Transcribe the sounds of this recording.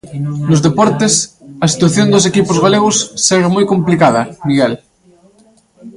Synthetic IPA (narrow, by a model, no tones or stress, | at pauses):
nozðepɔɾt̪esɐsi̥t̪waθjond̪os̬ekipozɣaleɣ̞osːeɣemojkomplikaðɐmiɣɛl